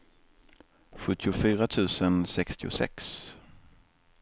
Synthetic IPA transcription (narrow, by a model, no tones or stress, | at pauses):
ɧɵt̪ːɪʊfyːɾat̪ʰʉ̟ːsənsɛkst̪ʰɪʊ̰sɛ̰ks